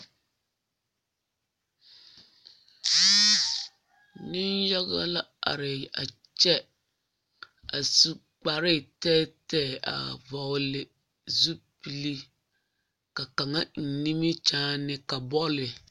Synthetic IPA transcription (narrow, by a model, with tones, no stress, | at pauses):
nɪ˦nja˦ɣa̰˦la˦a̰˨ɾɪ˨a̰˨ | t͡ʃɛ˦ | a˨su˦ | k͡pa˨ɾɪ˦˨tɛ˦tɛ˦˨a̰˨vɔ˨lɪ˨ | zu˦pi˨li˦ | ka˨ka˨ŋa˦n̩˨ni˦mi˦t͡ʃaː˦nɪ˦ka˨bɔ˦lɪ˨